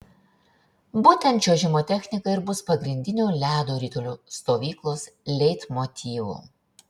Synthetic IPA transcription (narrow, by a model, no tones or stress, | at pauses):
buːt̪ʲɛnʲt̪ʲt͡ʃʲoːʒʲɪmoːt̪ʲɛxʲnʲɪkɐɪɾbʊspɐɡɾʲɪnʲd̪ʲɪnʲuːlʲæːd̪oːɾʲiːt̪olʲuːst̪oːʋʲiːklˠoːslʲɛɪt̪moːt̪ʲʰiːʋṵː